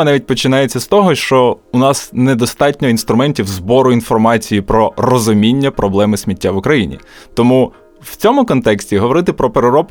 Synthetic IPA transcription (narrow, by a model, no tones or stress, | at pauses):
nɑʋʲit̚ʲpɔt͡ʃɪnɑjet͡sʲːɐst̪ɔɦɔʃt͡ʃɔʊnɑsnɛd̪ɔst̪ɑtʲnʲɔinst̪ɾʊmɛnʲtʲiwzbɔɾʊin̪fɔrmɑt͡sʲijipɾɔrɔzʊmʲinʲːɐpɾʔɔblˠɛmɪsʲmʲitʲːaʋʊkɾɐjinʲḭt̪ɔmu | wt͡sʲɔmʊkɔnt̪ɛksʲtʲiɦɔʋɔɾɪt̪ɪpɾɔpeɾeɾɔp